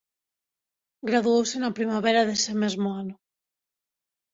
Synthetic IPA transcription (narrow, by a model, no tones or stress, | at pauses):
ɡɾaðuowsenapɾimaβ̞eɾaðesemezmoano